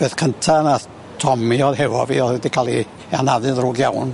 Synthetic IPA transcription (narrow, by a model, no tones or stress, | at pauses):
b̥eːθkʰəntʰana | tʰɔmiɔðɦɛvɔ̰vḭːɔðwɛdikʰalˠi | anaðɨðruɡjawn